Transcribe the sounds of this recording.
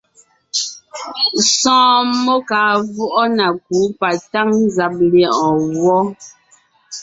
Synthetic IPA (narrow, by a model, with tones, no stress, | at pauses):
sɔ̃ː˦mo˦ka˨˦vu˦ʔɔ˦na˨k̚u˨˦pa˨ta˦ŋ˦za˨p̚li˨˦ɔ̃˨wɔ˦